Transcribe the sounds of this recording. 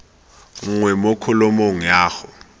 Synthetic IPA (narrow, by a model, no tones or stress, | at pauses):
ŋ̩ŋwɛmokʰɔlɔmoŋ̩jaːxʊ